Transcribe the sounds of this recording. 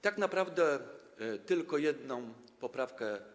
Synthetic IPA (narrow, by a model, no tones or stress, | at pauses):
t̪aknapɾavd̪ɛ | t̪ɘlkɔjɛd̪nɔ̃m | pɔpɾafkɛ